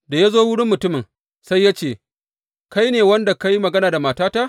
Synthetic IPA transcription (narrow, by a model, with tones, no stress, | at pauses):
da˨ja˦zoː˦wʊ˦ɽɪ˦mːʊ˨tʊ˦mɪ˨ŋ | sa˦jːaː˦t͡ʃeː˦˨ | ka˦jneː˨wɐ˦nda˨ka˦ji˦mɐ˨ɡɐ˦naː˨da˨maː˨taː˦ta˦ʔ